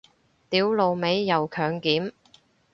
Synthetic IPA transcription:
t̪iː˨˥wlo˨˧wme˨˥jːɐ˨wkʰœː˨ŋkiː˨˥m

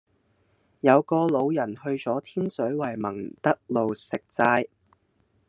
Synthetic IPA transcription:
jɐ˨˧wkɔː˧lo˨˧wjɐ˨˩nhɵ˧ɥt͡sɔː˨˥t̪ʰiː˥nsɵ˨˥ɥwɐ˨˩jmɐ˨˩ŋt̪ɐ˥k̚lo˨wsɪ˨k̚t͡saː˧j

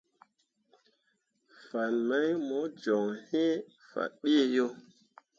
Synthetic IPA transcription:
fa˨nma˦jmo˨˦d͡ʒɔ˨ŋhe˦ | fa̰˨ɗe˦e˦˨jo˦

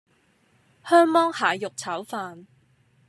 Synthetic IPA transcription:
hœː˥ŋmɔː˥ŋhaː˨jʊ˨k̚t͡sʰɐ˨˥wfaː˧n

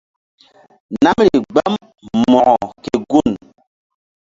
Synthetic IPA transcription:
na˦mɾi˨ɡ͡ba˦m | mɔ˨ʔɔ˨ke˨ɡu˦˨n

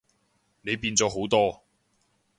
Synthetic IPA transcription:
ne˨˧jpiː˧nt͡sɔː˨˥ɦo˨˥wt̪ɔː˥

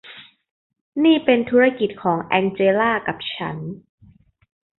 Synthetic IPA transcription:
niː˥˩pe˧nt̪ʰuː˦˥ɾa˦˥ki˨˩t̪̚kʰɔː˩˦ŋʔɛː˧nt͡ɕeː˧laː˥˩ka˨˩p̚t͡ɕʰa̰˦˥n

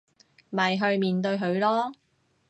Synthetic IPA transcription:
mɐ˨jɦɵ˧ɥmiː˨nt̪ɵ˧ɥɦɵ˨˧ɥlɔː˥

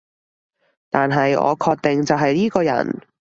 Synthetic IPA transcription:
t̪aː˨nɦɐ˨jɔ̰ː˨˧kʰɔː˧k̚t̪ɪ˨ŋt͡sɐ˨wɦɐ˨jliː˥kɔː˧jɐ̰˨˩n

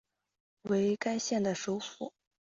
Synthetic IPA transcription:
we˧˥ɪka˥ɪɕjɛ˥˩nd̪ə˩ʂo˧˥ʊfṵ˨˩˦

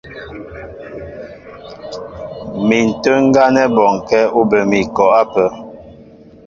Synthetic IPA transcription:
mi˨n̩˨tə˦ŋ̩˦ɡa˦nɛ˦bɔ˨ŋ˨kɛ˦u˦bə˨mi˨kɔ˨a˦pə˨

